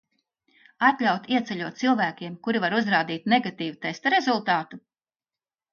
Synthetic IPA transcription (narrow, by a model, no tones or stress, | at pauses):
at̪ʎʲawt̪iɛt̪sɛʎʲuɔt̪t̪silˠvæːkʲiɛmkuɾivaɾuzɾaːd̪iːt̪neɡat̪iːvut̪ɛjst̪aɾezulˠt̪aːt̪u